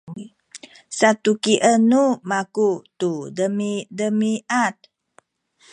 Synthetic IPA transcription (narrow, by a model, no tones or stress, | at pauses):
sat̪ukiʔənumakut̪udəmidəmiʔat̪̚